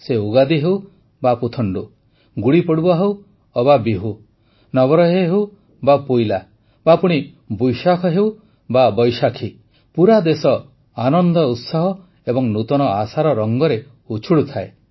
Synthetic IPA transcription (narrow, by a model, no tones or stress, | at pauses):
seuɡad̪iɦew | baput̪ʰɔɳɖu | ɡuɽipɔɽubɔɦew | ɔbabiɦu | nɔɡɔɾɔɦeɦew | bapojla | bapuɽ̃i | bujʃakʰɔɦeuw | babɔjʃakʰi | puɾad̪esɔ | anɔnd̪ɔut̪saɦɔ | ebɔŋnut̪ɔnɔasaɾɔɾɔŋɡɔɾe | ut͡ʃʰuɽut̪ʰae